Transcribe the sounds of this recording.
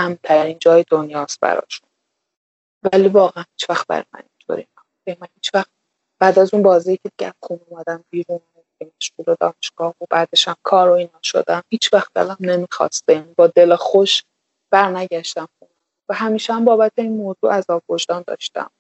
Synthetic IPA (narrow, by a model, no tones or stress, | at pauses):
æmt̪ʰæɾiːnd͡ʒɒːjed̪o̞njɒːst̪̚bæ̰ɾɒ̰ːʃun | væliːvɒːɣæænhiːt͡ʃʰvæxt̪̚bæ̰ɾɒ̰jmæ̰nint̪ʰo̰ɾḭnæmuæimænhiːt͡ʃʰvæxt̪̚ | b̥æːd̪æzunbɒːzijicʰed̪iɡʲæ̰æzχuːnomæd̪æmbiːɾuːn | diɡemæʃɡuːlod̪ɒ̰ːne̞ʃɡ̥ɒːhobæːd̪eʃæmkʰɒːɾoiːnɒːʃo̰d̪æmhiːt͡ʃʰvæxt̪̚d̪ḛlæmne̞mixɒ̰ːst̪ejænibɒːd̪elɛxoʃ | b̥æɾnæɟæʃt̪æmxuːn | væɦæmiːʃæmbɒːbæt̪ʰeiːnmoːzuːʔæzɒːbvoʒd̪ɒːnd̪ɒ̰ːʃt̪æ̰m